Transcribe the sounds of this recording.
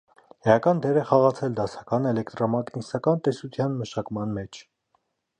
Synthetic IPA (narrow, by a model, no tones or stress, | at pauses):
hɛjɑkɑnd̪ɛɾɛχɑʁɑt͡sʰɛld̪ɑsɑ̥kɑnɛlɛkt̪ɾɔmɑknisɑkɑnt̪ɛsut̪ʰjɑnməʃɑkmɑnmɛt͡ʃʰ